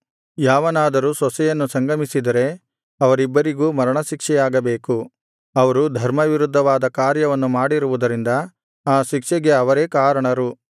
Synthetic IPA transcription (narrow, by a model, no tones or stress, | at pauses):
jaːʋɐnaːd̪ɐɾusɔsɛjɐnːusɐŋɡɐmisid̪ɐɾe̞ | ɐʋɐɾibːɐɾiɡuːmɐɾɐɳɐʃikʂɛjaːɡɐbe̞ːku | ɐʋɐɾud̪ʱɐɾmɐʋiɾud̪ʱːɐʋaːd̪ɐkaːɾjɐʋɐnːumaːɽiɾuʋud̪ɐɾind̪ɐ | aːʃikʂɛɡe̞ɐʋɐɾe̞ːkaːɾɐɳɐɾu